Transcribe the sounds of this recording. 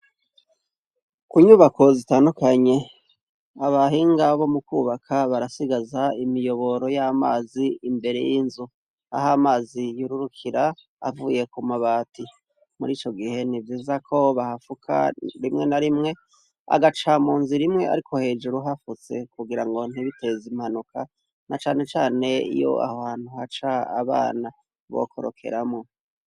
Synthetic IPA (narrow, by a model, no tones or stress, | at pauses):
kuɲuβakʰo̞zitaːndukaɲe̞ | aβaɦiːŋɡaβo̞mukuːβakʰaβaɾasiɡazaimijo̞βo̞ɾo̞jama̰ːziimbe̞ɾe̞̰jinzu | a̰hamaːzijuɾuɾukʰiɾa̰ː | vuːje̞kumaβaːtʰi | muɾiːt͡ʃo̞ɡihe̞nivjiːzakʰo̞βahafukʰa̰ɾimŋe̞naɾimŋe̞ | a̰ɡat͡ʃamuːnziɾimŋe̞ʔa̰ɾikʰo̞he̞ːd͡ʒuɾuɦafut͡se̞̰kuɡiɾaŋɡo̞n̥hiβite̞zimhanuka | nat͡ʃaːne̞t͡ʃaːne̞ḭjo̞̰a̰hohaːn̥huhat͡ʃaa̰βa̰ːna | βo̞̰kʰo̞̰ɾo̰kʰe̞̰ɾamŋo